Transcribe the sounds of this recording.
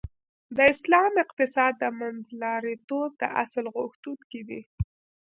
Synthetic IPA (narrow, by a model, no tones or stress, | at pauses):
d̪əɪslɑmɪq̚t̪ɪsɑd̪ːəmanzlɑɾit̪ob̚d̪ə̰ʔa̰slɣʊxt̪unked̪i